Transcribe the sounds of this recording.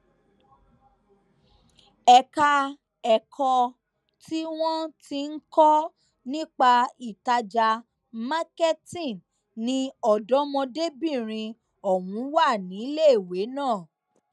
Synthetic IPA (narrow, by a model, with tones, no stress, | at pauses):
ɛ˨ka˧ | ɛ˨kʰɔ˧ | tʰi˦w̃ɔ̃˦ti˧n̩˦kɔ˦ | nĩ˦k͡pa˧i˨ta˧d͡ʒa˧ | ma˦kɛ˦tĩ˦˨n | nĩ˧˦ɔ˨dɔ˨˦mɔ̃˧de˦bĩ˦˨ɾ̃ĩ˧ | ɔ˨wũ˨˦wa˦˨nĩ˨˦le˦˨we˨˦nãː˦˨